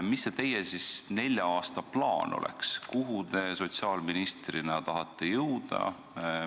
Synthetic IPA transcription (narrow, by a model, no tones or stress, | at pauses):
misːet̪e̞jesisne̞lʲːjɑɑːst̪ɑplɑːnʔo̰lḛkskuɦut̪e̞so̞t̪siɑːlminist̪rinɑt̪ɑɦɑt̪ˑːe̞jɤwd̪̥ɑ̰